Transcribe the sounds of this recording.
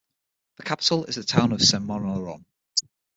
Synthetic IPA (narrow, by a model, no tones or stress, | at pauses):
ðəkʰapɪ̥təlɪ̰zðətʰãʊ̃nəv̥sɛ̃mɔnəɹɔ̰̃m